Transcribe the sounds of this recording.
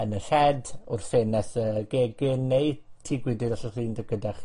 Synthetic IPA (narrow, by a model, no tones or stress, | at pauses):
ənəɬɛdʊrfenɛθəɡ̥eːɡɪnejtʰiːɡwɪdɪdɔɬɔriːndəɡədaχ